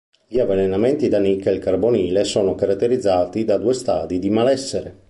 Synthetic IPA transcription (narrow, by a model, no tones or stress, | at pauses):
ʎiavːenenament̪id̪anikːelkarboniːlesoːnokaɾat̪ːeɾid̪zːaːt̪id̪ad̪uːest̪a̰ːd̪id̪imalɛsːeɾe